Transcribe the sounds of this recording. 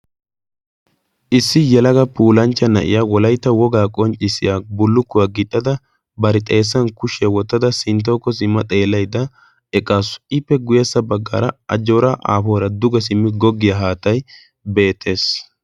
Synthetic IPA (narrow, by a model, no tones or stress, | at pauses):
ʔɪsːɪjɛlɐɡɐpuːlɐnt͡ʃːɐnɐʔɪ̰jawɔlɐjt̪ːɐwɔɡaːkʼɔnt͡ʃʼːɪsɪjaːbʊlːʊkːʊwaːɡɪt̪ʼːɐd̪ɐ | bɐɾɪt̪ʼeːs̬ːɐnkʊʃɛwɔt̪ːɐd̪ɐsɪnt̪̬ːoːkːɔsɪmːɐt̪ʼeːlːɐjd̪ɐ | ɛkʼaːsʊ̥ɪpːɛɡʊjɛsːɐbɐɡːa̰ːɾɐɐd͡ʒoːɾɐʔa̰ːfoːɾɐd̪ʊɡɛsɪmːɪɡɔɡːɪjɐɦaːt̪ɐj | be̞ːt̪ʰːe̞ːs